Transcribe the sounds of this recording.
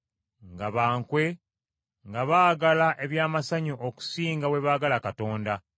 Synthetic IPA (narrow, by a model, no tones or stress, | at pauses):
ŋɡaβaːŋkwe̞ | ŋɡaβaːɡalaʔe̞βjaːmasaɲoʔoku̥siːŋɡawe̞βaːɡalakato̞ːnda